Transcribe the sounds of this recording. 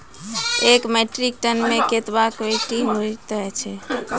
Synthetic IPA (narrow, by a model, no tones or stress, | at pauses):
ekmeʈɾik̚ʈənmeket̪bakoiʈimot̪əɛt͡ʃʰɛ